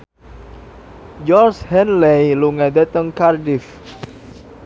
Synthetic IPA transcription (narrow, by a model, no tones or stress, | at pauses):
d͡ʒɔrshɛnlɛjluŋad̪at̪əŋkardif